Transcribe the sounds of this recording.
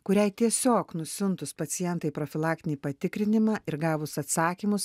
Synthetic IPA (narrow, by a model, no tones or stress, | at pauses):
kʊɾʲɛɪt̪ʲiɛsʲoːknʊsʲʊnt̪ʊspɐt̪sʲɪjɛnt̪ɐɪpɾoːfʲɪlˠɑːk̚t̪ʲɪnʲiːpɐt̪ʲɪkɾʲɪnʲɪmɑːʔɪɾɡɑːʋʊsɐt̪sɑːkʲiːmʊs